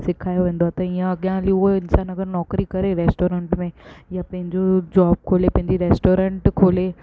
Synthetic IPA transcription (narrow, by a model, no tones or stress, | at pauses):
sɪkʰaːjoʋẽːnd̪oaːt̪ɐiãɐɡjãlioɪnsaːnɐɡəɾnɔːkɾikɐɾeɾɛːsʈoːɾẽɳʈmẽjapɐ̃ɦɪ̃ɲd͡ʑod͡ʑaːb̚kʰoːlepɐ̃ɦɪ̃ɲd͡ʑiɾɛːsʈoːɾə̃ɳʈkʰoːleː